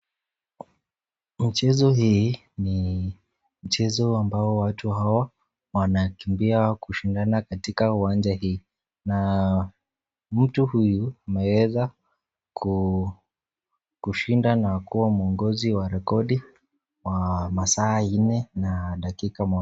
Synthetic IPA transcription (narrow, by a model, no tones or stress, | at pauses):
mit͡ʃɛzɔɦiː | ni | m̩t͡ʃɛzɔambaɔwatuɦawa | wanakimbiakuʃindanakatikauwand͡ʒahiː | na | m̩tuhujuamɛwɛza | kʰu | kuʃindanakuwamuɔŋɡɔziwaɾɛkɔɗi | wamasaːinɛnaɗakikamɔ